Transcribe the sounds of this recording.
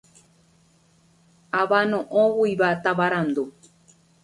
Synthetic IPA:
aβanõʔõwuiβat̪aβaɾand̪o

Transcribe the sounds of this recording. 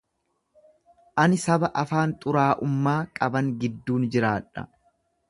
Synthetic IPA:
ʔɐnɪsɐbɐʔɐfaːnt̪ʼʊɾaːʔʊmːaːkʼɐbɐŋɡɪd̪ːuːnd͡ʒɪɾaːᶑɐ̰

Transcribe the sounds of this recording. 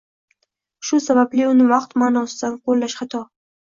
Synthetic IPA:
ʃʊsabablɪʊnɪvɑqt̪maːnɒsɪd̪anqʰolːaʃχat̪ʰɒ

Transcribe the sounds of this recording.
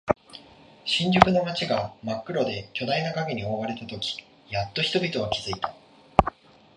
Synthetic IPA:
ɕĩɲ̟d͡ʑɨkɯ̟no̞mat͡ɕiɡamakːɯ̟ɾo̞d̪e̞kʲo̞d̪ainakaɡe̞ɲ̟iomaβaɾe̞t̪at̪o̞kʲi̥ | jat̪ːo̞çi̥t̪o̞bʲit̪o̞βakʲiz̥ɨit̪a

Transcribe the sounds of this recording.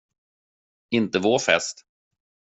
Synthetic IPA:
ɪnt̪əvofɛ̰st̪

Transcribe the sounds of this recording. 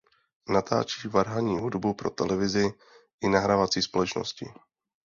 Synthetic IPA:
nat̪ʰa̰ːt͡ʃiːvaɾɦaɲiːɦudbupɾo̞t̪ɛlɛvɪzɪ | ʔɪnaɦɾavat͡siːspo̞lɛt͡ʃno̰scɪ

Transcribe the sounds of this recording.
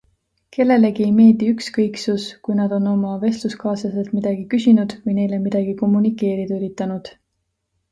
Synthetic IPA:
ke̞lːe̞le̞ɡiejme̞ːld̪̥iykskɤjksuskujnɑd̪o̞no̞mɑve̞st̪luskɑːsɑse̞lt̪mid̪̥ɑɡ̥ikysinud̪̥vɤjne̞jle̞mid̪̥ɑɡ̥iko̞mːunikˑːe̞ːɾid̪̥yɾit̪ːˑɑnud̪̥

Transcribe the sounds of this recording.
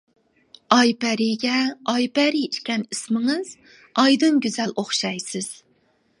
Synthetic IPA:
ɑjpɛɾiɡʲɛɑjpɛɾiiʃkʲɛnismɪŋɨz̥ | ɑjd̪ɨnɡʲyzɛlʔoχʃɑjsɪz̥

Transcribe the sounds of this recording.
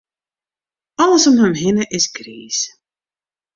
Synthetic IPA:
ɑləsɔmɦəmɦɪnəʔɪsɡriːs

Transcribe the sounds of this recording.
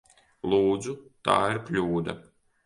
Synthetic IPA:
lˠuːd̪zut̪a̰ːiɾklʲuːd̪a̰

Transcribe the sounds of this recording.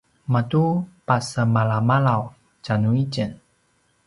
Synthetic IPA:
matupasəmalamalaw | canuicən

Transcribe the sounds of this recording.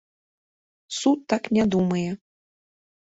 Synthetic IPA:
sut̪ːaknʲad̪umɐjɛ

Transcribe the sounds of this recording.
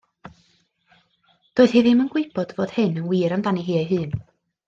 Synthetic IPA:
d̥oːɨð̥hiːðɪmənɡ̥weɨb̥ɔd̥voːd̥hɨnənwiːɾamdaniɦiːaɦɨːn

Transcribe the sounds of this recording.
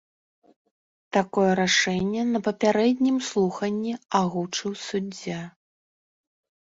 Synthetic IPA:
t̪akɔjɛɾaʂɛnʲːɛnɐpɐpʲaɾɛd̪ʲnʲimslˠuxɐnʲːiaɣut͡ʂɨwsud͡zʲːa

